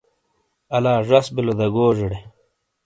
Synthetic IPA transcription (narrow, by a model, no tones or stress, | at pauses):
ɐlaːʐɐsbilod̪ɐɡoːʐeɽe